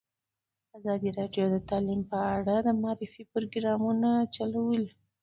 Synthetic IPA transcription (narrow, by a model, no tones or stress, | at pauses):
azɑd̪iɾɑɖjod̪ət̪ɑlimpəaɽad̪əmɑɾɪfipɾoɡɾɑmunat͡ʃalawəl